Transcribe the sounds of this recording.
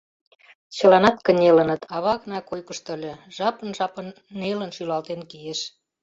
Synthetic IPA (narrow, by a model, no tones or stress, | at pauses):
t͡ɕə̆lɑnɑt̪kənʲelə̆nə̆t̪ʰɑβɑknɑkojkəʃt̪ə̆lʲĕʒɑpə̆nʒɑpənːelənʃylɑlt̪enkijeʃ